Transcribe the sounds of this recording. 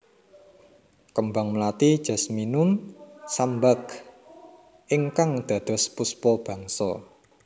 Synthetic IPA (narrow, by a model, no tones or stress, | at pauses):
kəmbaŋmlat̪id̥ʒ̥a̤sminʊmsambak | ʔɪŋkaŋd̪̥ä̤d̪̥ɔ̤spuspɔb̥ä̤ŋsɔ̰